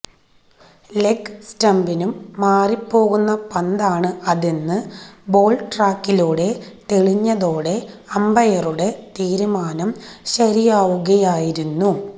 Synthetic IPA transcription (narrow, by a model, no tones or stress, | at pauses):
lekːstɐmbinumːaːripːo̞ːɣunːɐpɐnd̪aːɳɨɐðinːɨbo̞ːɭʈraːkːiluːɽe̞t̪eɭiɲːɐðo̞ːɽe̞ | ɐmbɐjɐruɽe̞t̪iːɾumaːnɐmɕɐɾijaːʋuɣɐjaːjiɾunːu